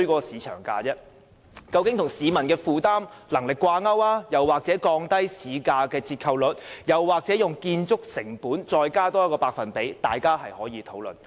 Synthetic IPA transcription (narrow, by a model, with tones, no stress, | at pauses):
kɔː˧siː˨˧t͡ʃʰœ̰ː˨˩ŋka̰ː˧t͡sɛ˥ | kɐ˧wkɪ˨˥ŋt̪ʰʊ˨˩ŋsiː˨˧mɐ˨˩nkɛː˧fuː˨˧t̪aː˥mlɐ˨˩ŋlɪ˨kːwaː˧ŋɐ˥waː˥jɐ˨˩wːaː˨k̚t͡sɛː˨˥kɔː˧ŋt̪ɐ˥jsiː˨˧kaː˧kɛː˧t͡siː˧t̚kʰɐ˨˧wlɵ˨t̚jɐ˨˩wːaː˨˩k̚t͡sɛ˨˥jʊ˨ŋkiː˧nt͡sʊ˥k̚sɪ˨˩ŋpuː˨˥nt͡sɔː˧jkaː˥t̪ɔː˥kɔː˧paː˧k̚fɐ˨npe˨˥jt̪aː˨jkaː˥hɐ˨jhɔː˨˥jiː˨˧t̪ʰo˨˥wlɵ̰˨n